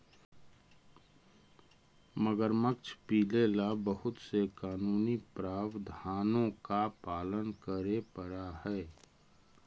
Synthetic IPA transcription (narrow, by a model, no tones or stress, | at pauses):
məɡəɾməkt͡ʃʰpiːlelabəɦʊt̪sekaːnuːnipɾaːʋd̪ʱaːnõkapaːlənkəɾepəɾahɛː